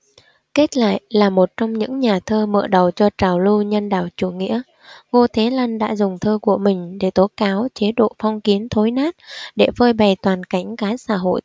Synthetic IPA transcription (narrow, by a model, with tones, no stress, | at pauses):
ke˦˥t̚la̰ː˧˨jlaː˨˩mo˨˩t̚t͡ɕɔ˧wŋ͡mɲɨ̰˧˥ŋɲaː˨˩t̪ʰəː˧mə̰ː˧˨ɗə˨˩wt͡ɕɔ˧t͡ɕaː˨˩wlu˧ɲə˧nɗaː˧˩wt͡ɕu˧˩ŋḭ˧˥ə | ŋo˧t̪ʰe˨˦la˧nɗa̰ː˧˥zʊ˨˩ŋ͡mt̪ʰəː˧ku˧˩əmï˨˩ŋ̟ɗe˧˩t̪o˨˦˥kaː˨˦wt͡ɕe˨˦ɗo̰˧˨fɔ˧wŋ͡mki˨˦ənt̪ʰo˨˦jnaː˦˥t̚ɗe˧˩vəː˧jɓa˨˩jt̪waː˨˩nka˧˩jŋ̟kaː˨˦sa̰ː˧˥ɦo̰˧˨j